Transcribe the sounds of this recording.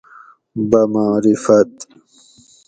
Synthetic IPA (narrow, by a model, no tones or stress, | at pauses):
bɐmaːɾifɐt̪